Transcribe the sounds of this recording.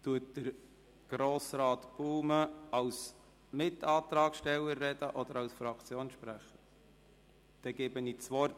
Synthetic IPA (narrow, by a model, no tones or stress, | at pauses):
t̪uət̚d̥əɾ | ɡ̥ɾoːsɾɑːt̪b̥uːməɑws | mɪtʰːɑːt̪ɾɑːkʃtɛlːəɾːɛd̥əʔɔd̪əɾɑwsfɾɑkʰt͡sjoːnʃpɾæχə | d̪̥ɛɡ̥ɛːbənit͡sʋɔrt